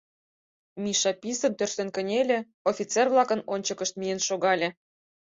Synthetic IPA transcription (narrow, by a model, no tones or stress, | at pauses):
mʲiʃɑpʲisə̆nt̪ørsenkə̆nʲelʲĕ | ofʲit͡serβlˠɑkə̆nonʲt͡ɕɤ̆kə̆ʃt̪̚mijenʃoɣɑlʲĕ